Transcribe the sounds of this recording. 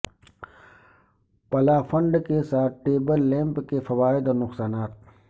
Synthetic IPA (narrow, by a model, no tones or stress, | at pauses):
pɐlaːfɐ̃ɳɖkesaːt̪̚ʰʈeːbəlːɛ̃ːmpkefɐwaːɪd̪ɔːɾnʊxsaːnaːt̪̚